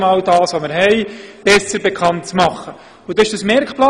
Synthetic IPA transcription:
mɑːwdɑːsʋoməɾɦɛɪb̥ɛsəɾbekʰɑntt͡smɑχːə | ʊdɑɪʃd̥əsmɛɾkplɑ

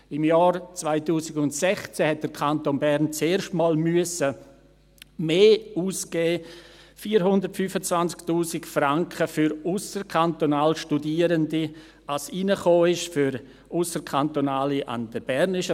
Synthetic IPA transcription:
ɪmjɑːɾt͡svaɪtuːsɪɡʊntsɛχt͡sɛhɛt̚d̥əɾkʰantonbɛɾnt͡seːɾʃtmaːlmyəsə | meːuːsɡ̥eːfiːəɾɦʊndəɾtfyfət͡svant͡sktuːsɪkfraŋkχəfyɾusəɾkʰantonaːlʃtudiəɾəndi | asinəχoːɪʃfyɾ | ʔʊsəɾkʰantonaːliʔa̰ndəb̥ɛɾnɪʃə

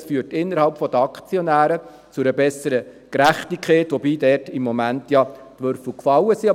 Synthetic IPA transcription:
sfyːətɪnːəɾhɑlpfɔd̥̪əɑkt͡sjɔnæːɾə | t͡sʊɾəbɛsəɾəkɾæχtikʰχɛːtʋɔbiːdɛrtɪmːɔmæntjɑtʋøɾfl̩kfɑlːəsiɑ

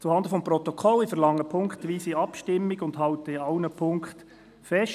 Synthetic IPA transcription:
t͡suhɑnd̪əfɔmpɾɔt̪ɔkʰɔlːifɛɾlɑŋːəpʰʊŋkχt̪ʋiːsiɑpʃtɪmːiɡʊnd̥ɦɑʊt̪əɪɑʊnəpʰʊŋkχt | fɛʃ

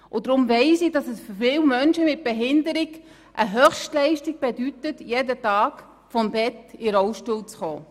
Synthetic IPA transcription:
ʔʊdɾʊmvɛɪsid̥ɑsɛsffɪːwmœnʃəmɪt̚b̥eɦɪndəɾɪɡ | ʔəɦœχʃtlɛɪʃtiɡ̚b̥ɛdytətjedətɑːk | fɔmbɛtɪɾɔʊʃtuːlt͡sχoː

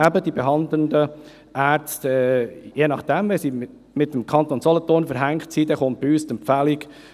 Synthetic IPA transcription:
æbəd̥ibeɦɑnd̪lənd̪ə | ʔæːɾstɛjeːnɑχd̥ɛmʋesi | mɪt̪əm̩kʰɑnt̪onsɔlɔt̪oːnfəɾɦæŋktsid̪ɛχʊnt̚biyːstəmpfælɪk

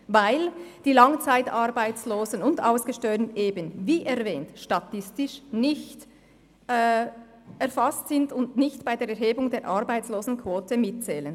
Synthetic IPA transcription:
vaɪld̥iːlɑŋt͡saɪtaɾbaɪt͡sloːzənʊndaʊsɡ̥əʃtœʏnʔeːbənviːʔɛʁvɛːntʃtɑtɪstɪʃnɪçtː | ɛɾfastsɪndʊndnɪçtb̥aɪdeːɾɛɾɦeːbʊŋdeːɾʔɑɾbaɪt͡sloːzn̩kʰv̥oːtʰəmɪt̚t͡sɛːlən

